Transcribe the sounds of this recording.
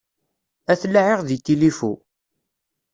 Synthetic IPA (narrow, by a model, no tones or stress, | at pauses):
æθlːaʕeʁðit̪ːilifu